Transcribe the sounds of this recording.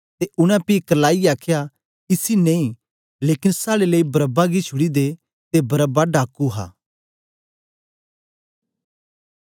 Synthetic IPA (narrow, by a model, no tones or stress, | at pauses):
t̪eʔʊɽ̃ãpiːkɐlaːiaːkʰja | ɪsinẽĩ | leːkɪnsaːɽeləibɐɾəbaɡit͡ʃʰʊɽid̪e | t̪ebɐɾəbaɖaːkuɦa̰ː